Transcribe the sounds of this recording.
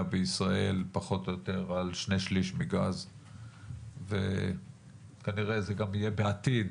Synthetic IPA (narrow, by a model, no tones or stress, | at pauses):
abeisʁaʔe̞lpaχo̞t̪jot̪e̞ʁalʃne̞ʃliʃmiɡaz | ve | kaniʁezeɡamije̞beat̪id̪